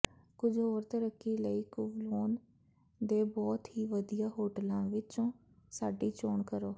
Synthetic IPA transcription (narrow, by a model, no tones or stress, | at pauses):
kʊd͡ʒoːɾt̪əɾəkːiːləiːkʊʋloːn | d̪eːbɔːt̪ɦiːʋəd̪ijaːɦoːʈəlãːʋɪt͡ʃõː | saːɖiːt͡ʃoːɳkəɾoː